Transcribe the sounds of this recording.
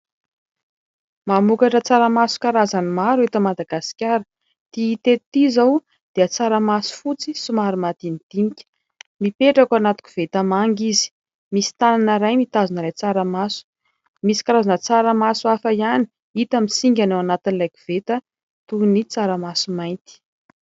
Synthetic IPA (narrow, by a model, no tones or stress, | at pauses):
mamukaʈ͡ʂət͡saɾamasu̥kaɾazanimaɾuet̪əmad̪aɡasi̥kʲaɾə | t̪iit̪eɾt̪izaw | d̪̥eət͡saɾəmasu̥fut͡sisumaɾumat̪inid̪̥inikʲə̥ | mipeʈ͡ʂakanat̪u̥kʲi̥v̥et̪əmaŋɡizi̥ | misi̥t̪ananəɾajmit̪azunəɾajt͡saɾamasu̥ | misi̥kaɾazanət͡saɾamasuafajani̥ | it̪amisiŋɡʲanawanat̪inilajku̥v̥et̪ə | t̪unit͡saɾəmasumajnt̪i̥